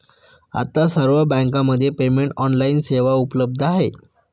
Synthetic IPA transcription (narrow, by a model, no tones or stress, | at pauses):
a̰t̪asəɾʋəbə̃ŋkãməd̪ʱːjepemeɳʈɔnlainseʋaupələb̚d̪ʱaɦe